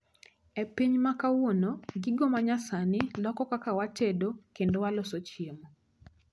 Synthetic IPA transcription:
epiɲmakawonoɡɪɡomaɲasanɪlɔkɔkakawat͡ʃedokendowalosot͡ʃjemo

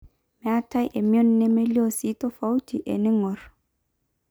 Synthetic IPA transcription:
mɛatajʔɛmiɔnːɛmeliositɔfawtiʔɛ̰nɛŋɔɾ

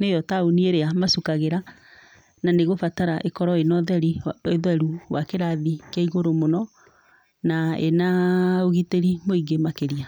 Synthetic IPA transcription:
nejɔtaonieɾeamasukaɣeɾa | naneɣofataɾaʔekɔɾɔenɔðɛɾieðwɛɾuwakeɾaðikeiɣoɾomonɔ | naḛnaoɣiteɾimoiɡemakeɾia

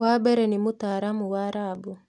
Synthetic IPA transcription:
wabɛɾɛnɪmʊt̪aɾamuwaɾabu

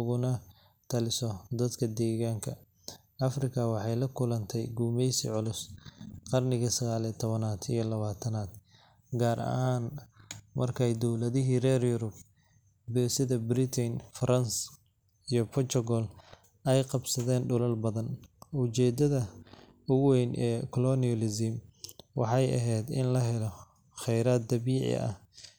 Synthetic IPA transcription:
ʊɣʊnɐ | t̪ʰɐlɪsɔd̪ɐd̪kʰɐd̪ɛːɣaːŋkʰɐ | ɐfrɪkʰɐwɑħɑjlɐkʰʊlɐnt̪ʰɛjɡuːmɛjsḭʕʊlʊsqɑrnɪɣɐsɐɣaːlit̪ʰɔβɐnaːt̪ʰijɔlɐβaːt̪ʰɐnaːd̪ | ɡaːɾɐ̰haːnmʔɐ̰rkʰɛjd̪ɔwlɐðɪɦiːrɛːrjʊɾʊb̚ | bɛːsɪðɐbɾɪt̪ʰɪnfɐɾɐns | ijɔpʰɔt̪ʰɔɣɔl | ɛjqɑbsɐðɛːnɖʊlɐlbɐðɐnʊt͡ʃɛːd̪ɐðɐ | ʊɣʊwɛjnʔɛːkʰɔlɔnɪɔlɪzɪmwɑ̰ħɑjɐ̰ɦɛjd̪ɪ̰nlɐɦɛlɔ | χɛjɾaːd̪̚d̪ɐβiːʕɪ̰ɐ̰h

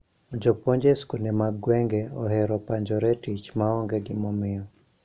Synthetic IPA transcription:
d͡ʒɔpɔɲd͡ʒɛskundɛmaɡwɛŋɡɛɔɦɛɾɔpaɲd͡ʒɔɾɛtit͡ʃmaɔŋɡɛɡɪmɔmɪɔ

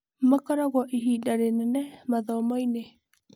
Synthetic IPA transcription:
makaɾɔɣɔʔiɦidaɾenɛnɛmaðɔmɔine

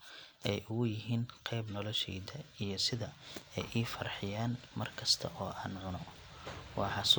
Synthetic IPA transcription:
ʔɛjʔʊɣʊjɪɦiːnqʰɛjbnɔlɔʃɛdɐijɞsɪðɐɛjʔiːfɐrħɪjaːnmɐrkʰɐst̪ʰɐ̰ʔɔːʔaːnʕʊnɔ | wɑːħɑs

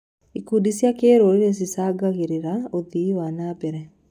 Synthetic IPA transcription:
ikudisjakeːɾoɾiɾes̬isaɡaɣeɾiɾaoðiːwanaːbɛɾɛ

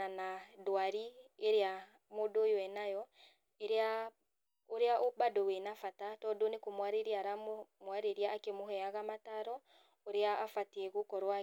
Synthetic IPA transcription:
anadwaɾieɾea | modojoɛnajɔ | eɾea | oɾeaʔobadowenafatatɔdonekomwaɾeɾiaɾammwaɾeɾiaːkemoɦɛaɣamataɾɔ | oɾeaːfatɛɣokɔɾwa

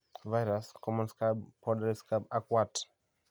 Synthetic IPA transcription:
vajɾaskɔmɔ̃nskabpɔdaɾiskabakwat

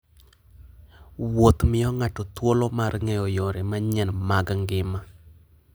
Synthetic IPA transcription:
wot̪mɪjɔŋatɔt̪wolɔmarŋɛjɔjoɾemaɲɛnmaɡaŋɡɪma

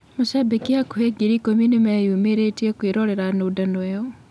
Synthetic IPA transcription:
moʃabekiakuheɡiɾikominemɛjumeɾetiɛkweɾɔɾɛɾanodanoɛɔ

